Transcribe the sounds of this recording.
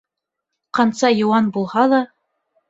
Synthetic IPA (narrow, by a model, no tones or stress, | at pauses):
qɑnsɑjŏwɑnbulˠhɑðɑ